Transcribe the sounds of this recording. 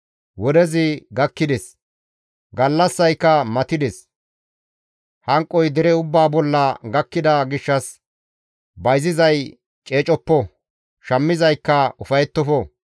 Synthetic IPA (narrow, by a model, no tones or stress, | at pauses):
wɔd̪ɛzɪɡɐkːɪd̪ɛs | ɡɐlːɐsːɐjkːɐmɐt̪ɪd̪ɛs | hɐŋkʼːɔjd̪ɛɾɛʊbːaːbɔlːɐɡɐkːɪd̪aːɡɪʃːɐs | bɐjzɪzɐj | t͡ʃʼe̞ːt͡ʃʼɔpːɔ | ʃɐmːɪzɐjkːɐʊfɐjɛt̪ːɔfɔ